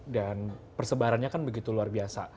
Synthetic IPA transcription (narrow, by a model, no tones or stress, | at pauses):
danpərsəbaɾanɲakanbəɡit̪uluarbiasa